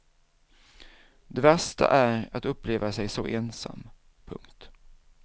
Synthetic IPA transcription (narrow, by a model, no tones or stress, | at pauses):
d̪ɛvɛʂt̪a̰ʔæɾat̪ɵpːleːvasɛjsɔʔeːnsa̰mː | pʰɵ̰ŋkt̪